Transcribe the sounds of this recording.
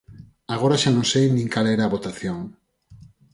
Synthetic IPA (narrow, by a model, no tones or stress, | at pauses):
aɣ̞oɾaʃanõŋsejnĩŋkaleɾaːβot̪aθjoŋ